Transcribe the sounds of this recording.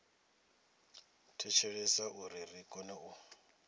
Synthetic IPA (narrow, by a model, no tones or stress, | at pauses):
tʰɛt͡ʃʰɛɺɛsaʔuɾirikʼɔnɛu